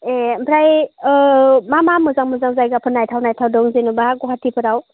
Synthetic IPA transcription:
empʰɾaj | mamamɯzaŋmɯzaŋzajɡapʰɯnajtʰawnajtʰawdɔŋzenubaɡɔɦatʰipʰɯɾaw

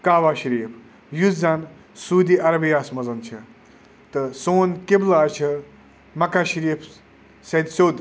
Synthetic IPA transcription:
kaːʋaːʃɐɾiːpʰ | juzan | suːd̪iʔɐɾɐbijaːsmɐzɐnt͡ʃʰɐ̰ | t̪ɨsoːnkeblaːt͡ʃʰɐ | mɐkaʃiɾiːpʰ | sɐd̪soːd̪

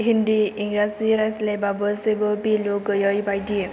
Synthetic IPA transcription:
ɦind̪iiŋɡɾasiɾaslebabɔsebɔbilokɔjɔjbajdie

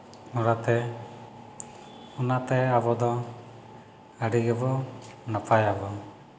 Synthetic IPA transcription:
nɔɽat̪ɛ | ɔnat̪ɛabɔd̪ɔ | əɖiɡɛbɔnapajabɔ

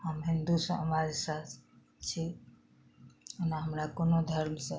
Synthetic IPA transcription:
həmɦind̪usə̰̃əmad͡ʒsa | t͡ʃʰi | ənaɦəmɾakonod̪ʱəɾmsə̃

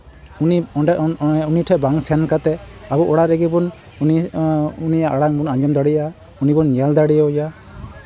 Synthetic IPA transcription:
uniɔɛunitʰɛbaŋsɛnkat̪ɛabɔʔɔɽaɾɛɡibɔn | uniunijaʔaɽaŋbɔnand͡ʒɔmd̪aɽija | unibɔnːiald̪aɽijaja

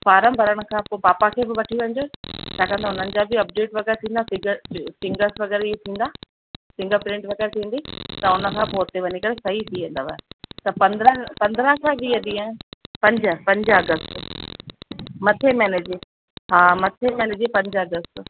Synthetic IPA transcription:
baːɾə̃mbʱɐɾəɽ̃ə̆kʰãːpoːbaːpakʰeːbɪʋɐʈʰiʋɐ̃ɲd͡ʑoːt͡ɕʰaːkɐ̃nd̪aʊn̤ənɪ̆d͡ʑaːbɪɐp̚ɖeːʈʋɐɡɛːɾt̪ʰĩːnd̪asɪɡəsɪ̃ŋɡəɾsʋɐɣɛːɾiɦet̪ʰĩːn̆d̪aː | sɪ̃ŋɡəɾpɾɪ̃ɳʈʋɐɡɛɾt̪ʰĩːn̆d̪it̪ɐʊnə̆kʰãːpoːt̪ːeʋɐnikɐɾesɐɦit̪ʰiʋẽnd̪aʋaːɦet̪ɐpɐ̃nd̪ɾəpɐ̃nd̪ɾə̃ɦkʰãbiːɦɐ̃d̪iaːɪpɐ̃ɲd͡ʑəpɐ̃ɲd͡ʑəɐɡəst | mɐt̪ʰemɛːneːd͡ʑe | ɦaːmɐt̪ʰemɛːneːd͡ʑepɐ̃ɲd͡ʑəɐɡəst̪

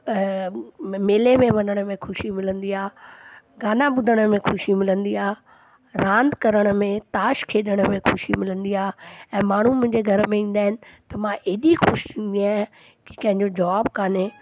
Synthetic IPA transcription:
meːlemẽʋɐnəɽ̃ə̆mẽxʊʃimɪlə̃nd̪iaː | ɡaːnaɓʊd̪ʱəɽ̃ə̆mẽxʊʃimɪlə̃nd̪iaː | ɾãːnd̪kɐɾəɽ̃ə̆mẽt̪aːʃkʰeːɗəɽ̃əmẽxʊʃimɪlə̃nd̪iaːɛ̃ːmaːɳ̤umʊ̃ɦɪ̃ɲd͡ʑeɡʱɐɾəmẽĩːn̆d̪aːɦɪnɪ̆t̪ɐmãʔeːɗixʊʃt̪ʰĩːn̆d̪iaː | ki̥kɐ̃ɦɪ̃ɲd͡ʑod͡ʑaːbkaːneː

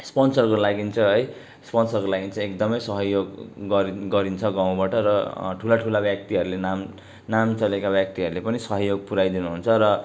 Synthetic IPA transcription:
spʌnsʌrkolaɡint͡sʰʌɦʌj | spʌnsʌrkolaɡint͡sʌ̃ekd̪ʌmʌjsʌɦʌjoɡɡʌɾiɡʌɾint͡sʰʌɡãw̃baʈʌrʌʈʰulaʈʰulabjak̚t̪iɦʌɾulenam | namt͡sʌlekabjak̚t̪iɦʌɾulepʌnisʌɦʌjoɡ̚puɾajd̪inuɦunt͡sʰʌɾʌ

